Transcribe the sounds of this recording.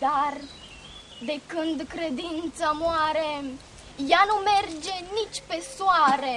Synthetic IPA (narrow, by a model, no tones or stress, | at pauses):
d̪ar | d̪e̞kɨnd̪kɾe̞d̪int̪samoaɾe̞ | janume̞rd͡ʒe̞nit͡ʃʲpe̞soaɾe̞